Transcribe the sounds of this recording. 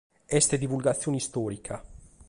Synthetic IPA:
ɛst̪ed̪ivulɡat̪sːjoːnist̪ɔːɾikʰa

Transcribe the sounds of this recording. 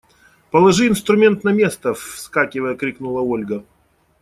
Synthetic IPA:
pəlˠɐʐɨɪnst̪ɾʊmʲe̞nt̪nɐmʲe̞st̪əfskakʲɪvəjəkɾʲiknulˠəolʲɡə

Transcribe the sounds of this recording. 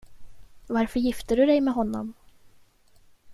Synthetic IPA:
vaɾfœɾjɪft̪əɖɵd̪ɛjmɛɦɔnːɔ̰m

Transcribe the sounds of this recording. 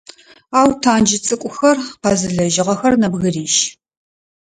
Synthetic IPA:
aːwtʰaːnd͡ʒɪt͡sʼɨkʷʼʊxɐrqɐzɨɮɐʒɪʁɐxɐrnɐbɣɨriːʃ

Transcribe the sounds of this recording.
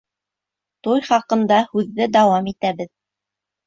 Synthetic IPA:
t̪ujχɑqɤ̆nd̪ɑhʉðːɘd̪ɑwɑmit̪æβɘð

